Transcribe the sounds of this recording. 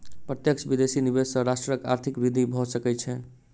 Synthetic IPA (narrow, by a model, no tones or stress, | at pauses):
pɾət̪jəkt͡ʃʰbid̪esinibesə̃ɾasʈɾəkaɾt̪ʰikbɾid̪ʱibʱɔsəkɛt͡ʃʰɛ